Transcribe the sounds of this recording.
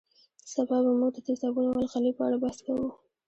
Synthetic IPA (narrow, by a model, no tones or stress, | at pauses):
sabɑbamuɡd̪ət̪ɪsɑbunowalxalipəaɽabaskawu